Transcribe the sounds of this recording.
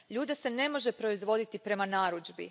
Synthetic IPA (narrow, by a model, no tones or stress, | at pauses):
ʎuːd̪ese̞ne̞mo̞ʒepɾo̞izʋo̞d̪it̪ipɾe̞manaːɾud͡ʒbḭ